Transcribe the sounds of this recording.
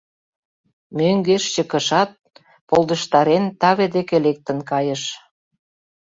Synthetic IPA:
møŋɡeʃt͡ɕə̆kə̆ʃɑt̪̚ | polˠd̪əʃt̪ɑɾent̪ɑβed̪ekelek̚t̪ə̆nkɑjəʃ

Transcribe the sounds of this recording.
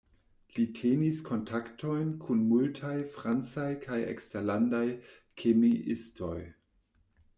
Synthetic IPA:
litʰeniskʰo̞ntʰaktʰo̞jnkʰunmultʰajfʁant͡sajkʰajḛksteɾlandaj | kʰemiʔisto̞̰j

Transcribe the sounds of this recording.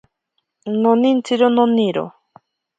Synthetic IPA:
nonint͡siɾononiɾo̰

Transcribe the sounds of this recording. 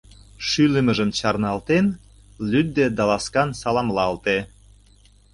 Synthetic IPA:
ʃylə̆mə̆ʒə̆mt͡ɕɑrnɑlt̪en | lyd̪̚ːed̪ɑlɑskɑnsɑlɑmlɑlt̪e

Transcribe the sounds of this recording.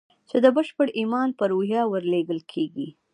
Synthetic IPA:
t͡ʃed̪əbəʃpəɽimɑnpəɾohjɑwəɾleɡəlkʰeɡi

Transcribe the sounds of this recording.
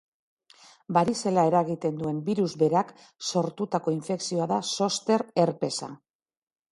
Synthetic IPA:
baɾise̞lae̞ɾaɣit̪e̞nd̪ue̞mbiɾuzβe̞ɾak | so̞ɾt̪ut̪ako̞iɱfe̞ksio̞aðaso̞st̪e̞ɾe̞ɾpe̞sa̰

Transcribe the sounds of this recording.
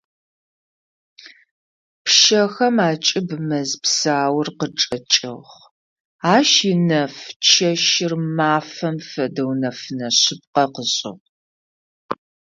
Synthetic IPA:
pʃɐxɐmaːt͡ʃʼɪbmɐzpsaːwʊrqəʈ͡ʂʼɐt͡ʃʼɪ̰ʁ | aːʃɪnɐft͡ʃʰɐʃɪrmaːfɐmfɐdɐwnɐfɨnɐɕɪp̚qɐqəɕʼɪ̰ʁ

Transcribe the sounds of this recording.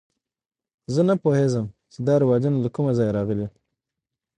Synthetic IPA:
zənapohezəmt͡ʃed̪ɑɾɪwɑd͡ʒunalakumazɑjɾɑɣəle

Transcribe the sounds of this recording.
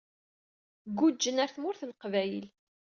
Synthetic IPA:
ɡːud͡ʒːənæɾθmʊɾθlqvæjəl

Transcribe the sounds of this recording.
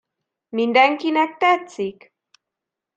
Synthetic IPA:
mɪnd̪aŋkɪnak̚t̪at͡sɪk

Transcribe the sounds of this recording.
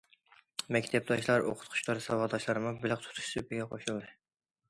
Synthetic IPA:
mɛkʲt̪ʰɛp̚d̪ɑʃlˠɑɾo̰qʰʊ̥t̪̚qʰʊ̥t͡ʃlˠɑɾsɑwɑʁd̪ɑʃlˠɑɾmŋbɪlɪqt̪ʰu̥t̪ʰu̥ʃsɨbɪɡʲɛqʰoʃulˠd̪ɨ

